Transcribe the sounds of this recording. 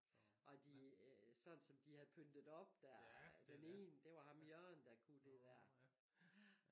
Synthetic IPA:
ʔɒ̽d̥isɒ̽nsɒ̽md̥ihæð̩ˠpʰønd̥ð̩ˠɒ̽b̥̚d̥æɐd̥ene̝̰ːnd̥e̝ʋɑ̈hɑ̈mjœɐ̰nd̥ækʰud̥e̝d̥æɐ̰

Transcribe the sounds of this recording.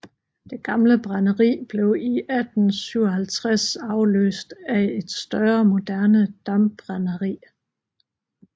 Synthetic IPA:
d̥e̝ɡ̥ɑ̈mləb̥ʁɑnəʁḭːb̥le̝ʊiʔæd̥n̩syʊ̰ɐɦælt͡sʰʁasɑ̈ʊlø̰ːsd̥æe̝d̥sd̥ɶɐmo̝d̥æɐnəd̥ɑ̈mb̥ʁɑnəʁḭː

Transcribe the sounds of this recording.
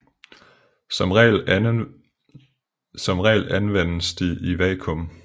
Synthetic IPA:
ɒmʁɛl | sɒ̽mʁɛ̰ːlænʋen̰əsd̥iiʋɛːkʰɔ̽m

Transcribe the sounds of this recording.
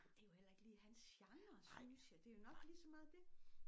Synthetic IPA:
d̥ejo̝hel̰ɐe̝ɡ̥əliːhænsjɑ̈ŋɐsynsjæd̥e̝jo̝nɒ̽ɡ̥liːsɒ̽mɑ̈ːð̩ˠd̥e̝

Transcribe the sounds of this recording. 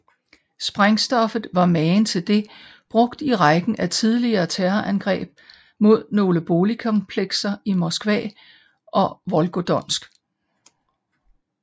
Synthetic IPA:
sb̥ʁaŋsd̥ɒ̽fð̩ˠʋɑ̈mɛːnt͡sʰe̝ld̥e̝b̥ʁɔ̽ɡ̥d̥iʁɑɡ̥n̩æt͡sʰið̞ˠliɐːt͡sʰeːɐʔænɡ̥ʁɛ̰ːb̥ | mo̝ð̞̰ˠno̝ːləb̥o̝ːlikʰɒnpʰleɡ̥sɐimɒsɡ̥ʋɛ̰ː | ʔɒ̽ʋɒ̽lɡ̥od̥ɒ̽n̰sɡ̥

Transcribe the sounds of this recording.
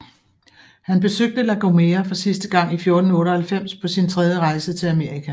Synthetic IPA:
hænb̥e̝søɡ̥̚d̥əlæɡ̥omeːɐfɒ̽sisd̥əɡ̥ɑ̈ŋ̰ifjo̝ɐd̥n̩ɔ̽ːɾəhælfem̰spʰɒ̽sint͡sʰʁɛðˠjəʁɑ̈ɪsət͡sʰe̝læme̝ɐ̰ʁikʰæ

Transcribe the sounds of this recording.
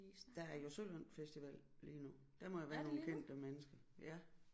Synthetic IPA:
d̥ææɐjo̝solən̰̥fesd̥iʋɛ̰l̰ | liːnu | d̥æɐmɒ̽jɑʋæːɐno̝ːn̩kʰen̰d̥əmenəsɡ̥ɐjæ

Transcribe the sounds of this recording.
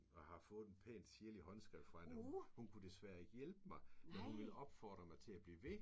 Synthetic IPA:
ɒhɑ̈fɔ̽ːð̞̩ˠenpʰḛːnd̥siɐliɦɒ̽nsɡ̥ʁɛʊ̥fɑænhunkʰud̥e̝sʋæɐ̰e̝ɡ̥əjelb̥əmɑ̈ɪmenhunʋe̝lɒ̽b̥fɒ̰ːd̥ʁɐmɑ̈ɪt͡sʰe̝æb̥liːʋe

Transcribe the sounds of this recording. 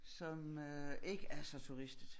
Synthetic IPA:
sɒmøe̝ɡ̥əʔæɐsɒ̽t͡sʰuʁisd̥ð̩ˠ

